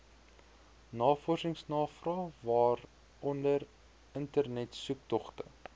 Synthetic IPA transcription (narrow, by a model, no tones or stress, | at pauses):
nɑːfɔrsəŋsnɑːfrɑːvɑːr | ɔndər | əntərnɛtsup̚tɔχtə̰